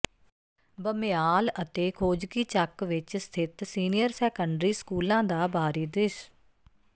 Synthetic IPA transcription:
bəmjaːlət̪eːkʰoːd͡ʒkiːt͡ʃəkʋɪt͡ʃst̪ʰɪt̪siːnɪjəɾsɛːkəɳɖɾiːskuːlãːd̪aːbʱaːɾiːd̪ɪʃ

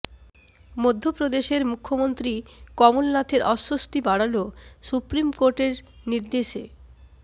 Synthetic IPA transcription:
mod̪ʱːopɾod̪eʃeɾmukʰːomont̪ɾikɔmolnat̪ʰeɾɔʃːost̪ibaɽalosupɾimkoɾʈeɾ | niɾd̪eʃḛ

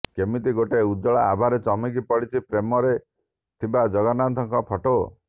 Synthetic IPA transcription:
kemit̪iɡoʈeud͡ʒɔɭaabʱaɾet͡ʃɔmikipɔɽit͡ʃʰipɾemɔɾe | t̪ʰibad͡ʒɔɡɔnant̪ʰɔŋkɔpʰɔʈo

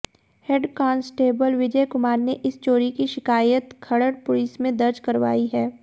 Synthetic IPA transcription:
heɖkãːnsʈeːbəlʋɪd͡ʒəkʊmaːɾneʔɪst͡ʃoːɾikiʃɪkaːjət̪kʰɐɽəɽpʊliːsmẽd̪ɐɾt͡ʃkɐɾʋa̰ːiɦɛː

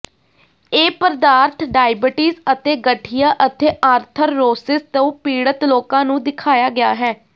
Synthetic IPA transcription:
eːpəɾd̪aːɾt̪ʰɖaːɪbɪʈiːzət̪eːɡəʈʰijaːʔət̪eːʔaːɾt̪ʰəɾːoːsɪst̪õːpiːɽət̪loːkãːnũːd̪ɪkʰaːjaːɡɪaːɦɛː

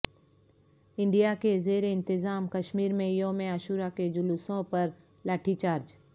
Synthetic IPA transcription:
ɪ̃ɳɖijakezeːɾeɪ̃nt̪ɪzaːmkɐʃmiːɾmẽjõːmẽəʃuːɾaked͡ʒʊlʊsõpɐɾ | laːʈʰit͡ʃaːɾd͡ʒ

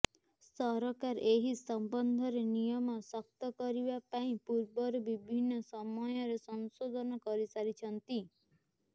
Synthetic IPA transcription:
sɔɾɔkaɾʔeɦisɔmbɔnd̪ʱɔɾenijɔmɔsɔk̚t̪ɔkɔɾibapaĩpuɾbɔɾɔbibʱinːɔsɔmɔjɔɾesɔnsod̪ʱɔnɔkɔɾisaɾit͡ʃʰɔnt̪i

